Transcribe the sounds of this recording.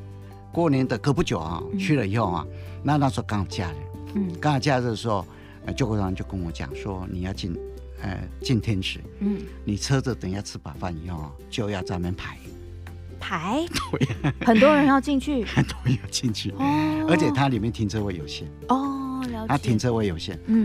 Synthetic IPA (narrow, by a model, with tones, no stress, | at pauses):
kwɔ˥˩njɛ˧˥nd̪ə˨kɤ˧˥˧pu˥˩t͡ɕjo˨˩ʊa̰˧t͡ɕʰy˥˧lə˨i˧˥xo˥˧ʊxa̰˨˧na˥˧na˥˩ʂ̩˧˥˧kɑ˥ŋwɔ˨˩t͡ɕja̰˥˧ɻ̩̰˥˩kɑ˥ŋjɑ˨˩t͡ɕja˥˧ɻ̩˥˩ʂo˥˧ | t͡ɕjo˥˧kɔ˥˩a˥˧t͡ɕjo˥˩ʊkə˥nwɔ˧˥t͡ɕja̰˨˩ŋʂwɔ˥ni˨˩jɑ˥˧ʊt͡ɕi˥˩n | ə̰˧˩t͡ɕi˥˩nt̪ʰjɛ˥nʂɻ̩˧˦˩ | ni˨˩t͡sʰɤ˥t͡s̩˨˩t̪ə˨˩ŋjɑ˥˧ʊt͡sʰɹ̩˥˩pa˨˩fa˥˩ni˧˥˦xo˥˩ʊa̰˧˩t͡ɕjo˥˧ʊjɑ˥˧ʊt͡sa˥˧mɛ˧˥npʰa˨˥˦ɪ | pʰa˨˧˥ɪt̪ʰo˧˥jxə˨˩nt̪wɔ˥ɻə˧˦˥njɑ˥˧ʊt͡ɕi˥˧nt͡ɕʰy˥˩xə˨˩nt̪o˧˥˧ja˥˩ʊt͡ɕi˥˧nt͡ɕʰy˥˩˥ə˞˧˥t͡ɕʰɛ˨˩t̪ʰa˥li˨˩mjɛ˥˨nt̪ʰi˧˥ŋt͡sʰɤ˥we˥˩jo˨˩ʊɕjɛ̰˥˩nɔ˧˦t̪ʰa˥t̪ʰi˧˥ŋt͡sʰɤ˥we˥˩ɪjo˨˩ʊɕjɛ̰˥˩n̩˨˩